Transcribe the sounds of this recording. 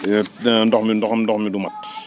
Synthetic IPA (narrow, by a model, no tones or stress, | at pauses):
ndɔxmindɔxɐmdɔxmidumat